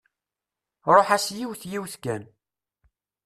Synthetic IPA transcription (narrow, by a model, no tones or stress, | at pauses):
ɾˤoħasjiwθjiwθkæn